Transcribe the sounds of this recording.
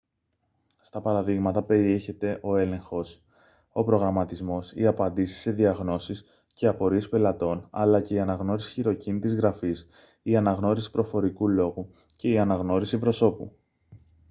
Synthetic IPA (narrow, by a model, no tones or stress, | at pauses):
st̪ɐpɐɾɐðiɣmɐt̪ɐpe̞ɾie̞çe̞t̪e̞ʔo̞e̞le̞ŋxo̞s | o̞pɾo̞ɣɾɐmɐt̪izmo̞sḭɐpɐnd̪isi̥sːe̞ðiɐɣno̞sis | ce̞ɐpo̞ɾiespe̞lɐt̪o̞nɐ̰lɐce̞iɐnɐɣno̞ɾisi̥çiɾo̞cinit̪izɣɾɐfis | iɐnɐɣno̞ɾisi̥pɾo̞fo̞ɾikulo̞ɣu | ce̞iɐnɐɣno̞ɾisipɾo̞so̞pṵ